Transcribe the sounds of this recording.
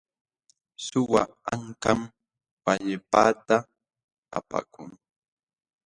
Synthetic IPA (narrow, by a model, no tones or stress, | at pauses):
sʊwaaŋkam | paʎɪpa̰t̪a | a̰pa̰kʊŋ